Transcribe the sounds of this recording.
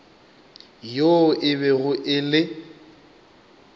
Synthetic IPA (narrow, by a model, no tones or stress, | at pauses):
joʔɪβɛɣʊʔɪlɪ